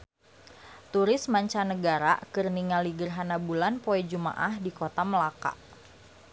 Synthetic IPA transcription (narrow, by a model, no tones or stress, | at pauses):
t̪uɾɪsmaɲt͡ʃanəɡaɾa̰kɨrniŋaliɡərɦanabulanpoɛd͡ʒuma̰ʔahdikot̪aməlaka̰